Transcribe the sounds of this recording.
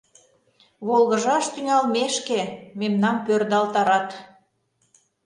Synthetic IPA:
βolɣəʒɑʃt̪yŋɑlmeʃkememnɑmpørd̪ɑlt̪ɑɾɑt̪

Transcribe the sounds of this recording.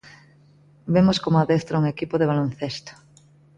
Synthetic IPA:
bemoskomoaðest̪ɾauŋekipoðeβ̞alonθest̪o̥

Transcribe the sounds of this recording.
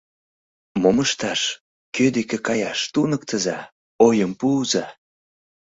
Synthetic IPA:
moməʃt̪ɑʃ | kød̪ekekɑjɑʃt̪unək̚t̪əzɑ | ojəmpuːzɑ

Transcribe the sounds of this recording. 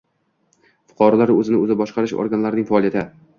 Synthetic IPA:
fʊ̥qʰɒɾɒlaɾɵzɪnɪɵzɪbɒʃqɑɾɪʃo̰ɾɡanlaɾɪnɪŋfaːlijat̪ʰɪ

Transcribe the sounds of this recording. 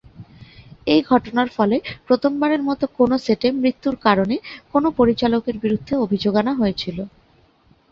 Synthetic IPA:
ejɡʱɔʈonaɾfɔlepɾot̪ʰombaɾeɾmɔt̪okonoseʈemɾit̪ːuɾkaɾonekonopoɾit͡ɕalokeɾbiɾud̪ʱːeobʱid͡ʑoɡanaɦojet͡ɕʰilo

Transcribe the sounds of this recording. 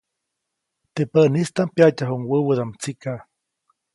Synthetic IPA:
t̪epənist̪ampjacaɦuŋwəwəd̪amt͡sikaʔ

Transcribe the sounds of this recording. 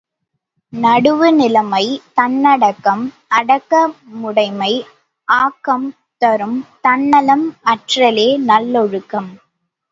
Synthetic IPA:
nɐɽɯʋɯnɪlɐmɐɪt̪ɐnːɐɽɐkːɐm | ɐɽɐkːɐmʊɽɐɪmɐɪ | ʔaːkːɐm | t̪ɐɾɯmt̪ɐnːɐlɐmɐʈrɐleːnɐlːɔɻɯkːɐm

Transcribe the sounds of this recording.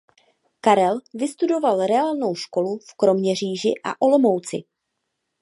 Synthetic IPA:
kaɾɛlvɪst̪udo̞valɾɛaːlno̞wʃko̞lufkɾo̞mɲɛr̝iːʒɪʔa̰ʔo̞lo̞mo̞wt͡sɪ̰

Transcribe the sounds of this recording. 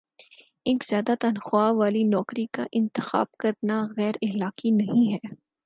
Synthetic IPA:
eːkz̥jaːd̪at̪ɐnxwaːʋaːlinɔːkɾika̰ʔɪ̃nt̪ɪxa̰ːb̚kɐɾnaɣɛːɾɪɦlaːkinɐɦĩɦɛː

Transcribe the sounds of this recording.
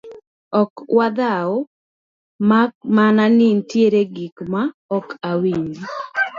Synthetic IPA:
ɔkwad̪ao | mamananintjeɾeɡikmaɔkawiɲi

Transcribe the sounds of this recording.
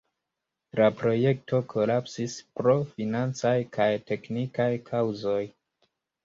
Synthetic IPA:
lapɾo̞je̞k̚to̞kʰo̞lapsispɾo̞finant͡sajkʰajte̞knikajkʰawzo̞j

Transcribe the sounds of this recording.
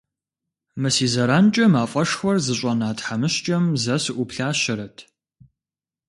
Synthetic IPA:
mɨsiːzɐɾaːnt͡ʃʼɐmaːfʼɐʂxʷɔrzɨɕʷʼɐnaːtħamɨɕt͡ʃʼɐmzɐsɨʔʷʊpɬaːɕɪɾɐtʰ

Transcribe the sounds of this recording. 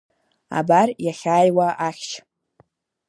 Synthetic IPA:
a̰barjaχʲaːjwaʔaχʲt͡ʃʰ

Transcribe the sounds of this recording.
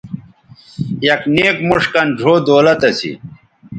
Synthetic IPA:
jɐkneːkmuʂkɐnɖʱoːd̪oːlɐt̪ɐsḭ

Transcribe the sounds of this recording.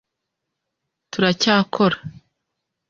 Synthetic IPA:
tuɾacaːkʰo̞ɾḁ

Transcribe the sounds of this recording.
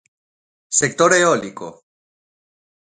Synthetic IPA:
sek̚t̪o̞ɾeoliko̰

